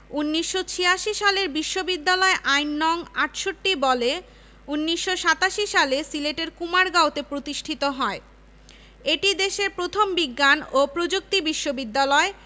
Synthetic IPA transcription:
unːiʃːot͡ɕʰiaʃiʃaleɾbiʃːobid̪ːalɔeʔajnːɔŋaʈʃoʈːibɔle | unːiʃːoʃat̪aʃiʃalesileʈeɾkumaɾɡaot̪epɾot̪iʃʈʰit̪oɦɔe | eʈid̪eʃeɾpɾot̪ʰombiɡːanopɾod͡ʑuk̚t̪ibiʃːobid̪ːalɔe

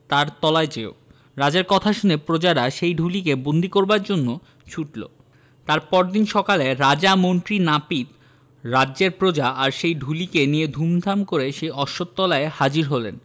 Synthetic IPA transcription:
t̪aɾt̪ɔlaet͡ɕeo̰ | ɾad͡ʑaeɾkɔt̪ʰaʃunepɾod͡ʑaɾaʃejɖʱulikebond̪ikoɾbaɾd͡ʑonːo | t͡ɕʰuʈlo̰ | t̪aɾpɔɾd̪inʃɔkaleɾad͡ʑamont̪ɾinapit̪ | ɾadːʑeɾpɾod͡ʑaaɾʃejɖʱulikenijed̪ʱumd̪ʱamkoɾeʃejɔʃot̪ːɔlaehad͡ʑiɾɦolḛn

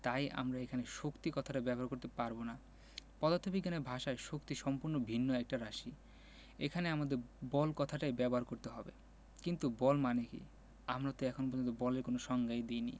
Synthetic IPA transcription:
t̪ajʔa̰mɾaekʰaneʃokt̪ikɔt̪ʰaʈabɛboɦaɾkoɾt̪epaɾbona | pɔd̪at̪ʰːobiɡːaneɾbʱaʃaeʃokt̪iʃɔmpuɾnobʱinːoɛk̚ʈaɾaʃi | ḛkʰaneamad̪eɾbɔlkɔt̪ʰaʈaebɛboɦaɾkoɾt̪eɦɔbḛ | kint̪ubɔlmanekḭ | amɾat̪oɛkʰonopoɾd͡ʑont̪obɔleɾkonoʃɔŋɡajd̪ejnḭ

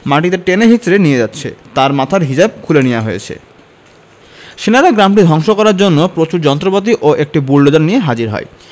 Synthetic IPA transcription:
maʈid̪eɾʈeneɦit͡ɕːɾenied͡ʑat̪ːɕʰḛt̪aɾmat̪ʰaɾɦid͡ʑab̚kʰulenijaɦojḛt͡ɕʰḛ | ʃinaɾaɡɾamʈid̪ʱɔŋʃokɔɾaɾd͡ʑonːopɾot͡ɕuɾd͡ʑɔnt̪ɾopat̪iʔoʔek̚ʈibulːod̪anːijeɦad͡ʑiɾɦɔ̰e

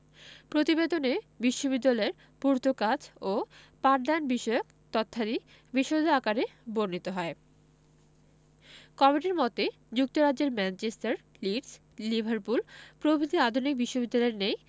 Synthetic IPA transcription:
pɾot̪ibed̪onebiʃːobid̪ːalaeɾ | puɾt̪okat͡ɕo | paʈd̪anbiʃɔeok | t̪ɔt̪ʰːad̪i | biʃod̪ʱakaɾeboɾnit̪oɦɔe | kɔmiʈiɾmɔt̪e | d͡ʑuk̚t̪oɾad͡ʑd͡ʑeɾmɛnt͡ɕesʈaɾ | liʈs | libʱaɾpulpɾobʱid̪ʱiad̪ʱunik̚biʃːobid̪ːalaeɾnej

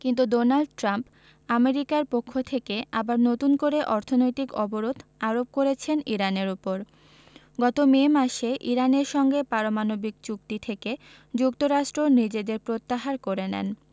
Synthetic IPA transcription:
kint̪udonalɖʈɾamp | ameɾikaɾpokʰːot̪ʰekeabaɾnot̪unkoɾeʔɔɾt̪ʰonojt̪ikɔboɾod̪ʱaɾob̚koɾet͡ɕʰeniɾaneɾupoɾ | ɡɔt̪omemaʃeʔiɾaneɾʃɔŋɡepaɾomanobikt͡ɕukt̪it̪ʰeke | d͡ʑukt̪oɾaʃʈɾonid͡ʑed̪eɾpɾot̪ːaɦaɾkoɾenɛ̰n

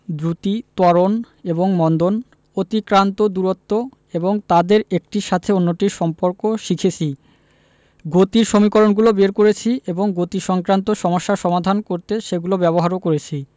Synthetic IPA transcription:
d̪ɾut̪it̪ɔɾon | eboŋmɔnd̪on | ot̪ikɾant̪od̪uɾot̪ːo | eboŋt̪ad̪eɾek̚ʈiʃat̪ʰeonːoʈiɾʃɔmpoɾkoʃikʰet͡ɕʰi | ɡot̪iɾʃomikoɾonɡulobeɾkoɾet͡ɕʰiʔeboŋɡot̪iʃɔŋkɾant̪oʃɔmoʃːaɾʃɔmad̪ʱankoɾt̪eʃeɡulobɛboɦaɾokoɾet͡ɕʰi

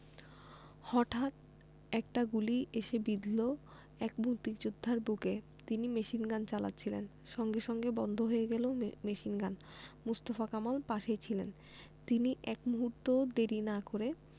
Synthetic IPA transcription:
hɔʈʰat̪ | ɛk̚ʈaɡuliʔeʃebid̪lo | ɛkbut̪ikd͡ʑod̪ʱːaɾbuke | t̪inimeʃinɡant͡ɕala̰tːɕʰilḛn | ʃɔŋɡeʃɔŋɡebɔnd̪ʱoɦoeɡɛlomeʃinɡan | must̪ofakamalpaʃet͡ɕʰilen | t̪iniʔɛkmuɦuɾt̪od̪eɾinakoɾe

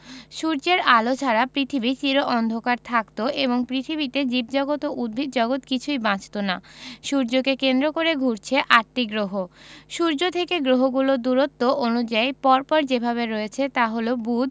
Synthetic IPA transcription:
ʃuɾd͡ʑeɾalot͡ɕʰaɾapɾit̪ʰibit͡ɕiɾoʔɔnd̪ʱokaɾt̪ʰakt̪oʔeβoŋpɾit̪ʰiβit̪ed͡ʑib̚d͡ʑɔɡot̪oʔud̪̚bʱid̪̚d͡ʑɔɡot̪kit͡ɕʰujbãt͡ɕt̪onaʃuɾd͡ʑokekend̪ɾokoɾeɡʱuɾt͡ɕʰeʔaɾʈ̪iɡɾoɦoʃuɾd͡ʑot̪ʰekeɡɾoɦoɡulod̪uɾot̪ːoʔonud͡ʑajpɔɾpɔɾd͡ʑebʱaβeɾoet͡ɕʰet̪aɦolobud̪

